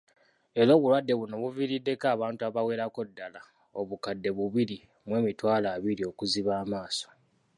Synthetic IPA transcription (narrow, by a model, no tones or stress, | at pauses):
e̞ɾo̞ːβulwadːe̞βuno̞βuviɾidːe̞kaːβaːntuaβawe̞ːɾako̞dːala | o̞βukadːe̞βuβiɾi | mwe̞ːmitwaːlaːβiɾio̞kuziβaːmaːso̥